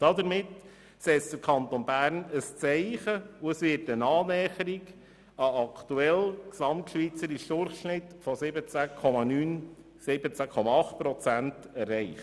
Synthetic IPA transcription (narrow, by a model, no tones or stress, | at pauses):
d̥ɑd̪əɾmɪt̪ | sɛsd̥̪əɾkʰɑnt̪onbæːɾnəst͡sɛɪχəuəsʋɪːɾtənɑːnɛːχəɾiɡ | ɑɑkʰt̪uɛlksɑmtʃʋit͡səɾiʃd̥ʊrχʃnɪtfɔsɪbət͡sækʰɔmɑnyːn | sɪbət͡sækʰɔmɑɑχt̚pɾɔt͡sæntɛrːɛɪχ